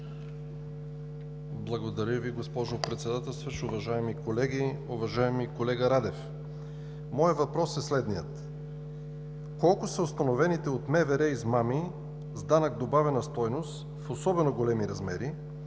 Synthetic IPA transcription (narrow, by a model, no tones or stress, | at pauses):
blˠɐɡod̪ɐɾʲəviɡospɔʒopɾɛt̪sɛd̪at̪ɛlˠst̪vɐʃʊvɐʒaɛmikolɛɡiʊvɐʒaɛmikolɛɡəɾad̪ɛf | mɔjət̪vɐpɾɔsɛslɛd̪nijət̪ | kɔlˠkʊsəʊst̪ɐnovɛnit̪ɛot̪mɛvɛɾɛizmami | zd̪anɐk̚d̪obavɛnɐst̪ɔjnost̪ | fosɔbɛnoɡolɛmiɾɐzmɛɾi